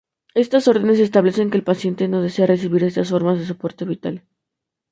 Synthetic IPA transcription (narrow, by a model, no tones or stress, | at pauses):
e̞st̪aso̞ɾð̞ene̞s̬e̞s̬t̪aβle̞se̞ŋkeːlpasje̞nt̪e̞no̞ð̞e̞se̞ares̬iβiɾe̞st̪asfo̞ɾmazðe̞s̬opo̞ɾt̪e̞βit̪al